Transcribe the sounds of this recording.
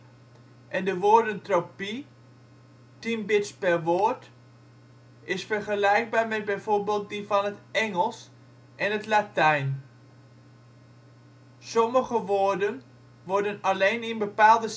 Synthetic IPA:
ʔɛndəʋoːɹdəntropi | tinbɪtspɛɹʋoːɹt | ɪsfəɹχəlɛjɡ̚baːɹmɛd̚bɛjv̥oːɹbeːlˠt̚divɑnətɛŋəlˠs | ʔɛnɦətlatɛjn | sɔməɣəʋoːɹdən | ʋɔɹdənaleːnɪnbəpaːlˠdə

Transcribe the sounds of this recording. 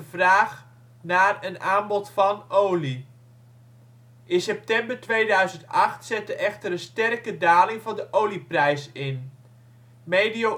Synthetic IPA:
əvraːχ | naːrənaːmbɔtfɑnowli | ʔɪnsɛp̚tɛmbərtʋejdœɥzəntɑχtsɛtəʔɛχtəɾənstɛrkədaːlɪŋvɑndəʔowliprɛjsɪn | mejdio

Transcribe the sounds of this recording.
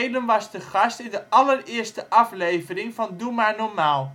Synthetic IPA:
jdənʋɑstəχɑstɪndəʔɑlərɪːɹstəʔɑflejvərɪŋvɑndumaːɹnɔɹmaːlˠ

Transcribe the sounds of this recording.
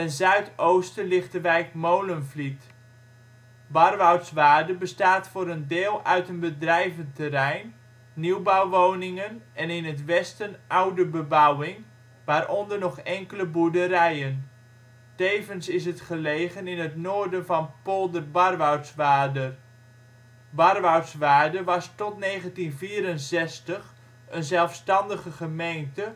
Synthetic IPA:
ənzœɥtowstəlɪχtəʋɛjkmowlənflit | bɑrʋawtsʋaːdəbəstaːtfʊːɾəndɪːlˠœɥtənbədrɛjvəntərɛjnː | iwbawʋownɪŋənɛnɪnətʋɛstənʔawdəbəbawɪŋ | ʋaːɾʔɔndərnɔχɛŋkələbuɹdəɾɛjən | tejvənsɪs̬ɦətχəlejχənɪnətnoːɹdənvɑnpolˠdərbɑrʋawtsʋaːdər | bɑrʋawtsʋaːdəʋɑstɔtnejχəntinviːɾənsɛstəχ | ənzɛlˠfstɑndəχəχəmejntə

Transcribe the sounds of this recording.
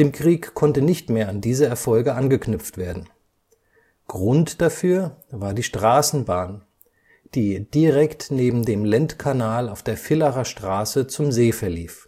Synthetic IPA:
d̥ɪːmkʁ̥iːkʰɔntənɪçtmeːɐandiːzɐɛɐfɔlɡəʔanɡəknʏpp͡ftv̥eːɐdn̩ | ɡ̥ʁʊntd̥afyːɐvaːɐdiːʃtʁ̥aːsn̩baːn | d̥iːd̥iʁɛktneːbm̩deːmlɛntkʰanaːlaʊfd̥eːɐfɪlaʁaʃtʁ̥aːsət͡sʊmzeːfɛɐliːf

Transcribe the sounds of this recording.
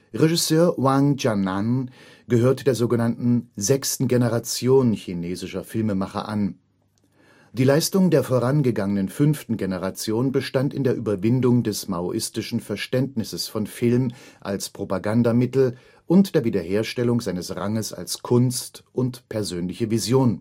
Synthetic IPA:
ʁeʒɪsøːɐwaŋd͡ʒanan | ɡ̥əhøːɐtd̥eːɐzoːɡənantn̩zɛkstn̩ɡenəʁat͡sjoːnçineːzɪʃɐfɪlməmaχɐ̰ʔa̰n | d̥iːlaɪstʊŋdeːɐfoːʁanɡəɡaŋənənfʏnftn̩ɡenəʁat͡sjoːnbəʃtantɪndeːɐʔyːbɐvɪndʊŋdɛsmaʊʔɪstɪʃn̩fɛɐʃtɛntnɪsəsfɔnfɪlmʔa̰lspʁ̥opaɡandamɪtl̩ | ʔʊntd̥eːɐviːdɐheːɐʃtɛlʊŋzaɪnəsʁaŋəsa̰lskʰʊnstʔʊntpʰɛɐzøːnlɪçəvizjoːn

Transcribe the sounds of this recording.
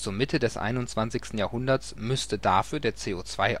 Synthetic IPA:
t͡suːɐmɪtʰədɛsʔa̰ɪnʊnt͡sv̥ant͡sɪçstn̩jaːɐhʊndɐsmʏstədaːfyːɐdeːɐt͡seːoːt͡sv̥aɪ

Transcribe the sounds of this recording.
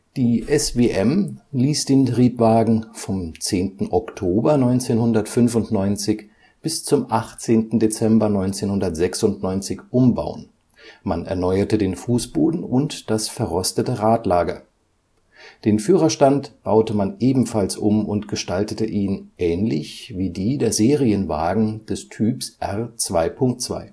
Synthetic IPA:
d̥iːʔɛsveːʔɛmliːsd̥eːntʁiːpv̥aːɡŋ̩fɔmt͡seːntn̩ʔɔktʰoːbɐnɔʏnt͡seːnhʊndɐtfʏnfʊntnɔʏnt͡sɪç | b̥ɪst͡sʊmʔaχt͡seːntn̩det͡sɛmbɐnɔʏnt͡seːnhʊndɐtz̥ɛksʊntnɔʏnt͡sɪçʔʊmba̰ʊə̰n | manɛ̰ɐnɔʏɐtədeːnfuːsb̥oːdn̩ʊntd̥asfɛɐʁɔstətəʁaːtlaːɡɐ | d̥eːnfyːʁɐʃtantb̥aʊtəmanʔeːbm̩falsʔʊmʊntɡ̥əʃtaltətəʔiːnʔɛːnlɪçviːdiːdeːɐzeːʁiənva̰ːɡŋ̩d̥ɛstʰyːpsʔɛʁt͡sv̥aɪpʰʊŋk̚tt͡sv̥a̰ɪ

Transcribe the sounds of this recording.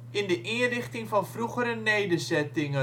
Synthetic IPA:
ɪndəʔɪənrɪχtɪŋfɑnfruχəɾənejdəzɛtɪŋə

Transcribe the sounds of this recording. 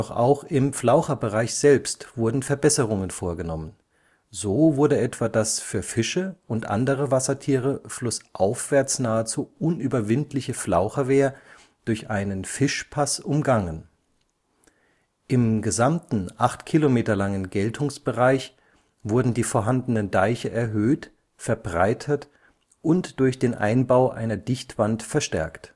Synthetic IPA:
d̥ɔχʔa̰ʊxɪmflaʊxɐbəʁaɪçz̥ɛlpstv̥ʊɐdn̩fɛɐbɛsəʁ̞ʊŋənfoːɐɡənɔmən | zoːvʊɐdəɛtv̥aːdasfyːɐfɪʃəʔʊntʔa̰ndəʁ̞əvasɐtʰiːʁ̞əflʊsʔaʊfv̥ɛɐt͡snaːət͡suːʔʊnʔyːbɐvɪntlɪçəflaʊxɐveːɐ | d̥ʊɐçʔaɪnənfɪʃpʰasʔʊmɡaŋən | ʔɪmɡəzamtn̩ʔaχtkʰilomeːtɐlaŋənɡɛltʰʊŋsb̥əʁaɪç | v̥ʊɐdn̩diːfoːɐɦandənəndaɪçəʔɛɐɦøːt | fɛɐbʁaɪtʰət | ʔʊntd̥ʊɐçd̥eːnʔa̰ɪnbaʊʔa̰ɪnɐdɪçtv̥antfɛɐʃtɛ̰ɐkt

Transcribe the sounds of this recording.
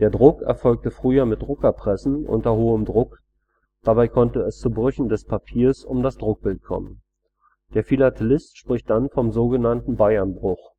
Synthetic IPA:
d̥eːɐdʁʊkɛ̰ɐfɔlk̚təfʁ̥yːɐmɪt̚d̥ʁʊkɛpʁ̥ɛsn̩ʔʊ̰ntɐhoːəmdʁʊk | d̥abaɪkʰɔntəɛst͡subʁʏçn̩dɛspʰapʰiːɐsʊmdasd̥ʁʊk̚b̥ɪlt̚kʰɔ̰mən | d̥eːɐfilatʰɛlɪstʃpʁ̥ɪçt̚d̥anfɔmzoːɡənantn̩baɪɐnbʁʊx

